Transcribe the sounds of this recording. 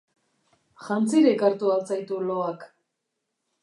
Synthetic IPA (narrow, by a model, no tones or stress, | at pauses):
ʝant͡siɾekaɾt̪ualt͡sajt̪ulo̞ak